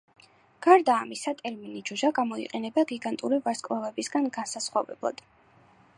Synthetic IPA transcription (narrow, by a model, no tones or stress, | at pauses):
ɡ̥aɾd̪aːmisat̪ʼɛɾminid͡ʒuʒaɡamɔḭqʼɛnɛbaɡiɡant̪ʼuɾivaɾskʼvavɛbisɡanɡansasχwavɛ̰blˠa̰d̪̥